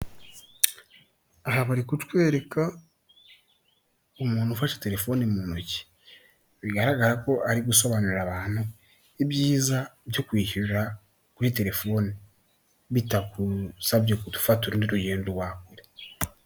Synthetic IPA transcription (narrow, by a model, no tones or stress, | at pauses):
aɦaβaɾikutwe̞ːɾe̞ka | umuːnhufaʃe̥te̞ɾe̞fo̞ːnemunoci̥ | βiɡaɾaɡaɾako̞ʔaɾiɡuso̞βanuɾiɾaβaːn̥hu | ibjiːzabjokwiːhiɾɾa | kuɾite̞ɾe̞fo̞ni | βitakusabɟekutu̥fatuɾundiɾuɟeːndoɾwaːkuɾe